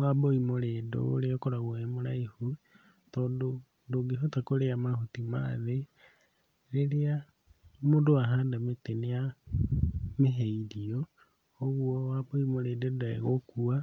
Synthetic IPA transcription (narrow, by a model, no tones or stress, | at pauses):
waboimoɾeːdo̰leokoɾaɣwemoɾaihu | tɔndo | doɡeɦotakoɾeamahotimaːðe | lelea | modoaɦaːndametenea | meɦeiɾioː | ɣuɔwaboimoɾedodaḛɣokua